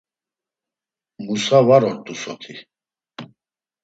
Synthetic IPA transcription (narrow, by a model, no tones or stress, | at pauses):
musavaɾɔɾt̪ʼusɔt̪ʰi